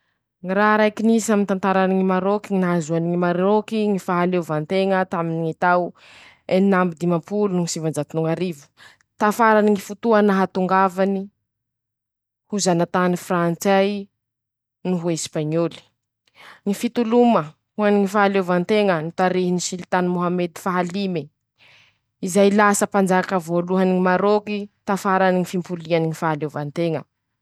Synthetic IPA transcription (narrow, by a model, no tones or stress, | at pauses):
ŋiɾaɦɾajkinisiamint̪ant̪aɾaniŋimaɾokiŋinaazuaniŋimaɾokiŋifaɦalevant̪eŋət̪aminiŋit̪aw | eninambid̪imapulunuŋisivand͡ʒat̪unuŋaɾivu̥ | t̪afaɾaniŋifut̪uənaɦat̪uŋɡavani | huzanat̪anifɾant͡saj | nuɦuespaɲoli̥ | ŋifit̪ulumə | huaniŋifaalevant̪eŋənit̪aɾiɦinisilit̪anmoɦamed̪i̥faɦalime | izajlasəpand͡zaakəvoluɦaniŋimaɾokit̪afaɾaniŋifimpulianiŋifaɦalevant̪eŋə̰